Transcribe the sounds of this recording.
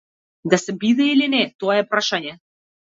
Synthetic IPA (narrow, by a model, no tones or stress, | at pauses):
d̪asɛbid̪ɛilinɛt̪oaɛpɾaʃanʲɛ